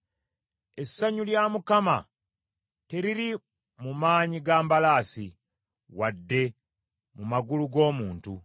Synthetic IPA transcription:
e̞sːaɲuljaːmukama̰ | te̞ɾiɾi | mumaːɲiɡaːmbalaːsḭ | wadːe̞ | mumaɡuluɡo̞ːmuːntu

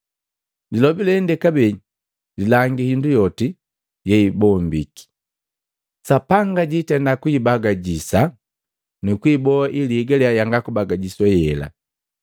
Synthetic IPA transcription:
dilɔbilɛndɛkabɛ | lilaŋɡihindujɔti | jɛibɔːmbiki̥ | sapaŋɡaɟitɛndakwibaɡaɟisa | nukwibɔaʔiliɡalɛajaŋɡakubaɡaɟiswajɛla̰

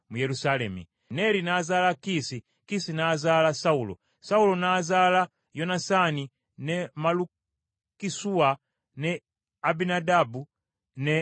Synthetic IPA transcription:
mujɛlusalɛmḭ | nɛlinazalakisi | kisinazalasaulɔ̰ | saulɔnazala | jɔnasani | nɛmalu | kisua | nɛ | abinadabu | nɛ

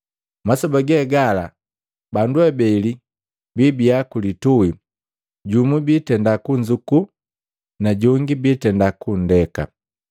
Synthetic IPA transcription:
masɔbaɡɛɡala | banduɛbɛli | bibiakulitui | ɟumubitɛndakuɲd͡ʒuku | naɟɔŋɡibitɛndakun̩dɛka̰

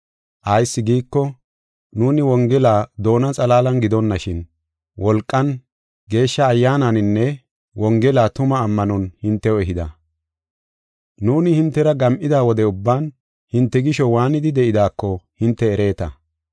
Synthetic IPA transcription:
ʔɐjsːɪɡiːkːɔ | nuːnɪwɔŋɡɛlaːd̪o̞ːnɐt͡sʼɐlaːlɐnɡɪd̪ɔnːɐʃɪn | wɔlkʼːɐn | ɡe̞ːʃːɐːjːaːnɐnɪnːɛ | wɔŋɡɛlaːt̪ʊmɐːmːɐnɔnhɪnt̪ːɛɔɛɦɪd̪ɐ | nuːnɪhɪnt̪ːɛɾɐɡɐmʔɪd̪aːwɔd̪ɛʊbːaːn | hɪnt̪ːɛɡɪʃɔwaːnɪd̪ɪd̪ɛʔɪd̪aːkːɔhɪnt̪ːɛːɾe̞ːt̪ɐ̰

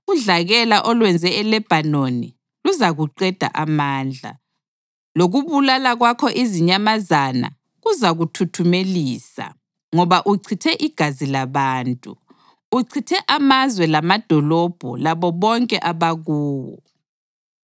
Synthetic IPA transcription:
uɮaɣɛlaʔɔlwɛnd͡zʱɛɛlɛb̥ʱanoni | luzaɣuǃɛd̥ʱa̰ʔamaːnd͡ɮʱa̰ | loɣuβulalaɣwakʰɔʔiziɲamazana̰ | ɣuzaɣutʰutʰumeliːsa̰ | ŋɔβaʔuǀʰitʰɛʔiɡ̥ʱazilaβaːntʼuː | ǀʰitʰɛʔamazwɛlamad̥ʱɔlɔb̥ʱɔ̰laβɔβɔŋkʼɛʔaβaɣuːwɔ̰

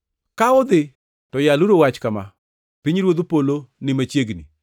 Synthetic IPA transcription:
kaʊd̪ɪ | tɔjaluɾowat͡ʃkama | piɲɾwod̪opolonɪmat͡ʃjeɡnḭ

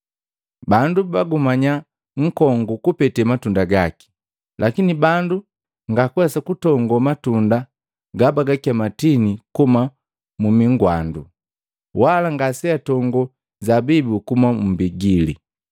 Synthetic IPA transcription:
bandubaɡumaɲa | ŋ̩kɔŋɡukupɛtɛmatundaɡaki̥ | lʔakinibandu | ŋɡakwɛsakutɔŋɡɔmatunda | ɡabaɡakiamatinikuma | mumiŋɡwa̰ndṵ | walaŋɡasɛatɔŋɡɔ | zabibukumam̩biɡilḭ

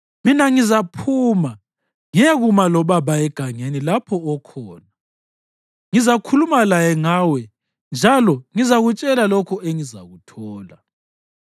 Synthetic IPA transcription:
minaŋizapʰuːma | ŋiaɣumalɔβaβaɛɡ̥ʱaŋenilapʰɔɔkʰɔːna | ŋizakʰulumalajɛŋaːwɛ | nd͡ʒʱalɔŋizaɣut͡ʃʼɛlalɔkʰɔeŋiza̰ɣutʰɔːla

